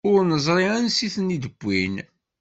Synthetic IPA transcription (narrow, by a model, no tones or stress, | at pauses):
ʊɾnəzˤɾˤiænsiθənid̪əɡʷːin